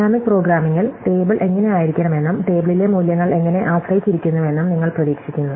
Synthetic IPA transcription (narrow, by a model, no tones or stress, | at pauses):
aːmik̚pro̞ːɡɾaːmiŋːɐɭʈeːbɨɭʔe̞ŋːɐne̞aːjiɾikʲːɐɳɐme̞nːumʈe̞ːbɐɭile̞muːljɐŋːɐɭe̞ŋːɐne̞ʔaːɐsɐjit͡ɕːiɾikʲːunːɐʋe̞nːumniŋːɐɭprɐðiːkʂikʲːunːɐðɨ